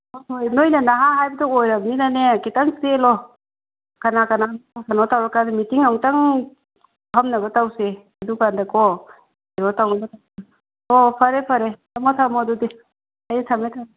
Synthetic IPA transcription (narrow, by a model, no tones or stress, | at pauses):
oojnojnanaɦaɦajbɐtɔojɾɐbninanekitaŋselɔ | kanakanaakʰanɔtawɾakadimitiŋawŋtaŋ | pʰamnɐbɐtawse | ɐdukandakɔ | eɾɔtawnɐbɐtaw | ɔpʰɐɾepʰɐɾetamatʰamɔdudi | ajtʰametʰa